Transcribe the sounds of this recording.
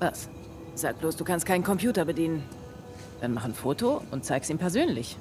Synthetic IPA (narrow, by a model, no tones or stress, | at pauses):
vas | z̥aːk̚b̥loːsd̥uːkʰanst̚kʰaɪnkʰɔmpj̥uːtɐbədiːnən | d̥anmaχnfoːtoʔʊ̰nt̚t͡saɪkstiːmpʰɛɐzøːnlɪç